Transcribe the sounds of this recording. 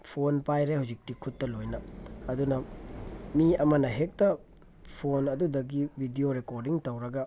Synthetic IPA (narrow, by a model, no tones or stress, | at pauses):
pʰonpajɾehawzik̚tikʰutːɐlojnɐːdunɐ | miɐmɐnɐɦek̚tɐ | pʰonɐdudɐɡibʱidioɾekoɾdiŋtɐwɾɐɡɐ